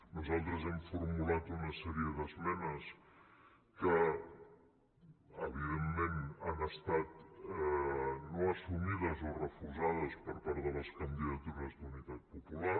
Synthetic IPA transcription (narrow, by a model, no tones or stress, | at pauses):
nuzalˠt̪ɾəzɛmfuɾmulat̪unəsɛɾijəðəzmɛnəs | kə | əβ̞iðemːenanəst̪at̪ɛnoəsumiðəzorəfuzað̞əspəɾpaɾðələskənd̪iðət̪uɾəzd̪unit̪at̪̚pupula